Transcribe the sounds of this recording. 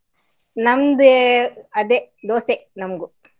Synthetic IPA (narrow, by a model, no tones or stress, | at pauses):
nɐmd̪ɯɐd̪ed̪oːsenɐmɡu